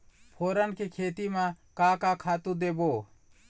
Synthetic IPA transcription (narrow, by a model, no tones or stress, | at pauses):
pʰoːɾənkekʰeːt̪imãkakakʰaːt̪ud̪eːbo